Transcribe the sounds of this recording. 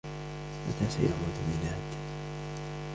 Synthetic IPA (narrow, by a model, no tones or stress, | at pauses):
ma̰t̪ʰaːsa̰jaʕwad̪mɪnaːd̪